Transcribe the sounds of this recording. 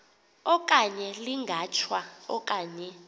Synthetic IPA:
ɔk̬ʼaɲɛliŋɡʱat͡ʃʰwaɔkʼaːɲɛ

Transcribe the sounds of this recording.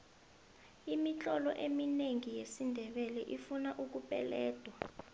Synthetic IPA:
imit͡ɬʼɔlɔ̰ʔemineŋijesindʱɛɓɛlɛʔifunaʔuk̬upʼɛ̰lɛːd̥ʱwa

